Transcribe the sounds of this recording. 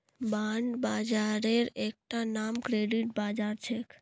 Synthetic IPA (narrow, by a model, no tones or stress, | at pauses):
baɳɖbad͡ʒaɾeɾek̚ʈanamkɾeɖiʈ̚bad͡ʒaɾt͡ʃʰek